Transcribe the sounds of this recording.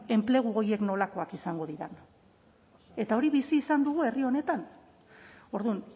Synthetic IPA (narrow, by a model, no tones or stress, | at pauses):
e̞mple̞ɣ̞uoje̞kno̞lako̞akisaŋɡo̞ðiɾan | e̞t̪ao̞ɾiβisiːsand̪uɣ̞ue̞rio̞ne̞t̪an | o̞ɾðun